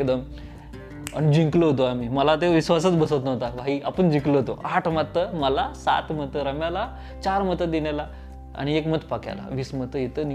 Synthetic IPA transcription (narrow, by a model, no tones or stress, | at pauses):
ekd̪əm | a̰ñid͡ʑiŋkləɦot̪oam̤iməlat̪eʋisʋasət͡sbəsət̪nəʋt̪aʋʱaɦiapəɳd͡ʑĩŋkləɦot̪oʔaʈʰmat̪ːəməlasa̰t̪mət̪əɾəmjala | t͡ɕaɾmət̪əd̪inala | a̰ɽ̃iekmət̪pakja̰la̰ʋiːsmət̪əjet̪ən